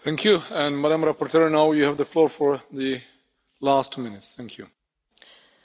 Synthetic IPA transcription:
θʰæ̃ŋkʰjuɛ̃nmæɾãmɾapɔɹtɛɹnaʊjuhævðəflɔɹfɔɹðɨ | lastʰːumɪ̃nɪtsθæ̃ŋkʰju

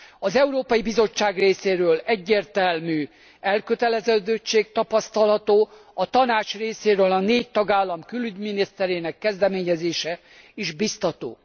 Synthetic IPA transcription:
ɒzɛuɾoːpɒjibizo̞t͡ʃːaːɡreːseːɾøːlɛɟːeːrt̪ɛlmyː | ɛlkøt̪ɛlɛzɛd̪øt͡ʃːeːk̚t̪ɒpɒst̪ɒlɦɒt̪oː | ɒt̪ɒnaːt͡ʃreːseːɾøːlɒneːc̚t̪ɒɡaːlːɒmkylyɟminist̪ɛɾeːnɛkːɛzd̪ɛmeːɲɛzeːʃɛ | iʒbist̪ɒt̪o̰ː

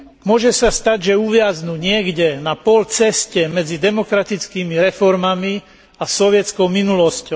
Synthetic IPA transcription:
mʊɔʒɛsast̪aɟʒɛuʋɪaznuɲɪɛɡɟɛnapɔlt͡sɛscɛmɛd͡zid̪ɛmɔkɾat̪it͡skiːmiɾɛfɔɾmami | asɔʋɪɛt͡skɔʊminulɔscɔ

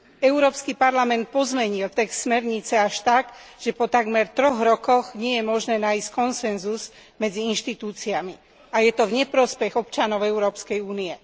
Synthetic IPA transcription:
ɛʊɾɔːpskipaɾlamɛnt̪̚pɔzmɛɲilt̪ɛkst̪smɛɾɲit͡sɛaʃt̪aɡʒ̥ɛpɔt̪aɡmɛɾt̪ɾɔɣɾɔkɔɣɲɪɛjɛmɔʒnɛːnaisckɔnsɛnzuz | mɛd͡ziinʃt̪it̪uːt͡siami | ajɛt̪ɔvɲɛpɾɔspɛɣɔpt͡ʃanɔʊɛuɾɔːpskɛjuːniɛ

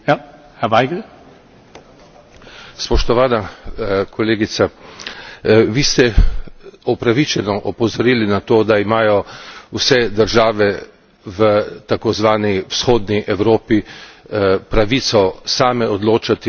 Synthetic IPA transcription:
hɛʋaɪɡə | spɔʃt̪ɔʋaːnakʰɔleːɡit̪sa | ʋiːst̪ɛ | ɔpɾaʋit͡ʃɛnɔʔɔpɔzɔɾiːlinat̪oːd̪aimaːjɔwsɛd̪əɾʒaːʋɛ | ʋət̪akozʋaːniwsxoːd̪niʔɛwɾoːpi | pɾaʋit̪sɔsaːmɛɔd̪loːt͡ʃat̪i

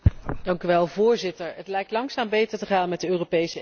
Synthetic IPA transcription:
d̥ɑŋkyʋɛlˠvʊːɹzɪtəɹɦətlɛjk̚tlɑŋksaːmbejtəɹtəχaːnmɛt̚dəøːropejsə

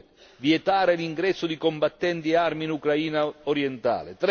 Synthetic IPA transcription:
viɛt̪aːɾeliŋɡɾɛsːʊd̪ikɔmbat̪ːɛnt̪iɛarminukɾaiːnaoɾjɛnt̪a̰ːlɪt̪ɾ

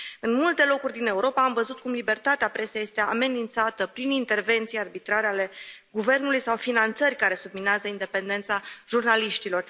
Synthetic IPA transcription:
ɨnmult̪e̞lo̞kurʲd̪ine̞uɾo̞paːmvəzut̪̚kumlibe̞rt̪at̪eapɾe̞seje̞st̪e̞a̰me̞nint̪sat̪əpɾinint̪e̞rve̞nt̪sijearbit̪ɾaɾeale̞ɡuve̞rnulujsawfinant̪sərʲkaɾe̞submineazəind̪e̞pe̞nd̪e̞nt̪saʒurnaliʃt̪ilo̞r

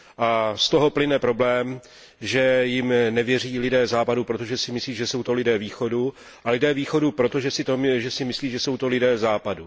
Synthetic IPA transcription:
ʔast̪oɦo̞plɪnɛpɾo̞blɛːm | ʒɛjɪmnɛvjɛr̝iːlɪdɛːzaːpadupɾot̪oʒɛsɪmɪsliːʒɛso̞wt̪o̞lɪdɛːviːxo̞du | ʔalɪdɛːviːxo̞dupɾo̞t̪o̞ʒɛsɪt̪oʒɛsɪmɪsliːʒɛso̞wt̪o̞lɪdɛːzaːpadu

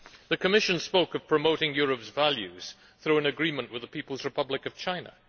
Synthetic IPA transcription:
ðɨkʰəmɪʃɨ̃nspoʊkʌv̥pʰɹ̥əmoʊɾɪ̃ŋjʊɹɨpsvælˠjʉz̥ | θɹʉə̃nɨɡɹĩmə̃nʔwɨðəpʰipəl̩ˠzɹɨpʰʌblɪkʌv̥t͡ʃʰãɪ̃nə̰

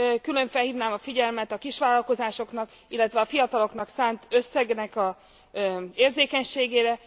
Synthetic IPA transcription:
kylø̞ɱfɛlhiːvnaːmɒfiɟɛlmɛt̪ɒkiʃʋaːlɒlko̞zaːʃo̞knɒk | ilːɛt̪vʋɛɒfijɒt̪ɒlo̞kn̪ɒksaːnt̪ø̞sːɛɡnɛkɒ | eːrzeːkɛɲʃeːɡeːɾɛ

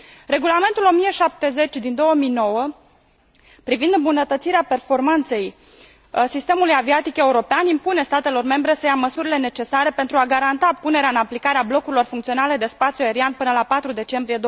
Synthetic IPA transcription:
re̞ɡulame̞nt̪ulo̞mijeʃap̚t̪e̞ze̞t͡ʃʲd̪ind̪o̞wəmijno̞wə | pɾivind̪mbunət̪ət̪siɾeape̞rfo̞rmant̪se̞j | sist̪e̞mulujaviat̪ike̞uɾo̞peanimpune̞st̪at̪e̞lo̞rme̞mbɾe̞səjaməsuɾile̞ne̞t͡ʃe̞saɾe̞pe̞nt̪ɾuaɡaɾant̪apune̞ɾeaɨnaplikaɾeablo̞kuɾilo̞rfuŋkt̪sio̞nale̞d̪e̞spat̪sjuaeɾianpɨnəlapat̪ɾud̪e̞t͡ʃe̞mbɾije̞d̪o

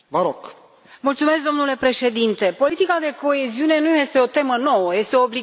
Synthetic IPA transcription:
vəɾoɡ | mult̪sume̞s̬k̚d̪o̞mnule̞pɾe̞ʃe̞d̪int̪e̞po̞lit̪ikad̪e̞ko̞e̞ziune̞nuje̞st̪e̞o̞t̪e̞məno̞wəje̞st̪eo̞ːbli

